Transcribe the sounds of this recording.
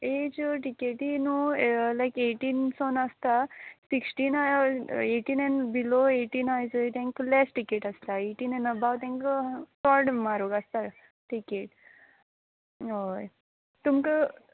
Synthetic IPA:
ed͡ʑəʈikeʈinulajkeʈinsonəst̪asiksʈinaeʈiːnɛnbiloeʈiːnajd͡zət̪ãŋklɛsʈikeʈəst̪aeʈiːnɛnəbawt̪ãŋksɔɾɽmaɾoɡəst̪a | ʈikeʈ̚ | oj | t̪umkə

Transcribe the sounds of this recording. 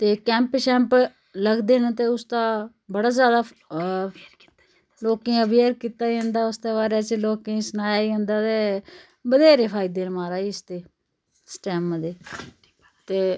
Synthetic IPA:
t̪eːkɛ̃ːmpʃɛ̃ːmp | ləɡd̪eːnət̪eːʊst̪aː | bəɽaːzjaːd̪aː | loːkẽːəbeɾkiːt̪aːə̃nd̪aːʊst̪eːβaːɾaːt͡ʃloːkẽːsənaːjaːiə̃ːnd̪aːt̪eː | bəd̪eːɾeːpʰaːiːd̪eːnmaːɾaːiːʊst̪eː | sʈɛːmd̪eː | t̪eː

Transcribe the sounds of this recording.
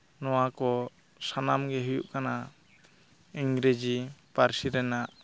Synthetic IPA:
nɔwakɔ | sanamɡɛɦujuʔkana | iŋɡɾed͡ʒipaɾsiɾɛnaʔ

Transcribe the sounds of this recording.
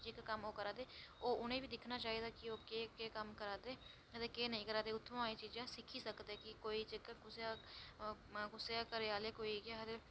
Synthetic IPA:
d͡ʒekkəmoːkəɾaːd̪eːoːʊnẽːbʱiːd̪ɪkʰnaːt͡ʃaːed̪aːkɪoːkeːkeːkəmkəɾaːd̪eː | d̪ekeːnɦĩːkəɾaːd̪eːʊt̪ʰːʋõaːĩːt͡ʃiːd͡ʒãːsɪkʰiːsəkd̪ɛːkɪkoːiːt͡ʃekɡʊsaː | ɡʊseaːkəɾeaːleːkoːikeɦd̪e

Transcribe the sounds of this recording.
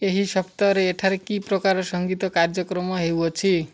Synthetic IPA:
eɦisʌpt̪aɾeeʈʰaɾekiprʌkaɾsʌŋɡit̪ʌkard͡zʌkrʌmʌɦewot͡sʰi

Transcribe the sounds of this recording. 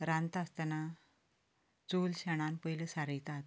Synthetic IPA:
ɾãnt̪ast̪ana | t͡solɕaɽ̃anpəjləsaɾəjt̪at̪

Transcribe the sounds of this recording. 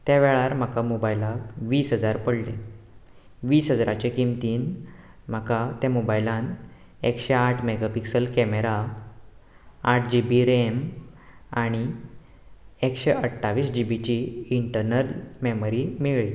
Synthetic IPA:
t̪jaʋɛɭaɾm̤akamobajlakʋiːsɦəd͡zaɾpəɽle | ʋiːsɦəd͡zɾat͡ɕekimt̪iːn | m̤akat̪ãmobajlãn | ekɕeaʈʰmeɡapiksəlkɛmeɾa | ʈʰd͡ʑibiɾem | aɽ̃i | ekɕeʔəʈʰːaʋiːsd͡ʑibit͡ɕiːɳʈəɾnəɾmemɾimeɭi

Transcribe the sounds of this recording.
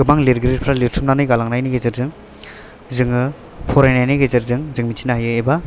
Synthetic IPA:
ɯmaŋliɾɡiɾiɾ̚pʰɾaliɾtʰumnanɯjɡalaŋnajniɡezɯɾzɯŋ | zɯŋɯ | pʰɔɾajnajniɡezeɾzɯŋzɯŋmitʰinahajɯeba

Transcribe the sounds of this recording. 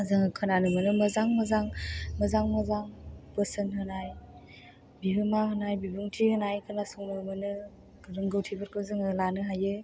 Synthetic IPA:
zɯŋɯkʰɯnanɯmɯnɯmɐzaŋmazaŋmɐzaŋmazaŋpəsɯnhɯnaj | biɦɯmaɦɯnajbibuŋtʰihɯnajkʰɯnasuŋmɯmɯnɯ | ɾɯŋɡɯwtʰibɯɾkʰɯzɯŋɯlanɯɦajɯ

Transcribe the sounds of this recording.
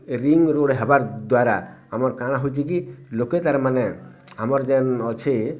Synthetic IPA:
ɾiŋɾoɽɦɛbaɾd̪waɾa̰amaɾkaɽ̃aɦojt͡ʃʰik̬iloket̪aɾmanɛ | amɔɾd͡ʒɛnɔt͡ʃʰe

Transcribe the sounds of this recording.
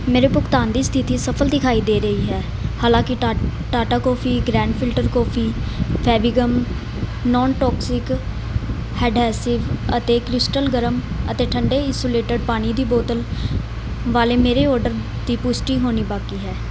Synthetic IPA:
meːɾeːpʊkt̪aːnd̪iːst̪ʰɪt̪iːsəpʰəld̪ɪkʰaːiːd̪eːɾəɦiːɦɛː | haːlãːkɪʈaːʈaːkɔːpʰiːɡɾɛ̃ːɳɖpʰɪlʈəɾkɔːpʰiːpʰɛːbɪɡəm | nɔːnʈɔːksɪk | hɛːɖɛːsɪʋət̪eːkɾɪsʈəlɡəɾəm | ə̰t̪eːʈʰəɳɖeːɪːsoːleːʈəɖ̚paːɽ̃iːd̪iːboːt̪əl | ʋaːleːmeːɾeːɔːɾɖəɾ | d̪iːpʊsʈiːɦoːniːbaːkiːɦɛː

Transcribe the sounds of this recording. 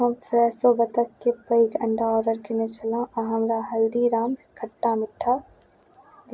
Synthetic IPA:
ɐmfɾɛːsobɐt̪əkːepɐikɐ̃ɳɖaɔːɖəɾkɪnet͡ʃɐlãːʔãɦɐmɾaɦɐld̪iɾaːmskʰɐʈːamɪʈʰːaː

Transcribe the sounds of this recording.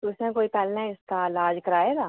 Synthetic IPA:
ʊsmẽkoːipɛːlnãɪst̪alaːd͡ʒkɐɾaːeɡaː

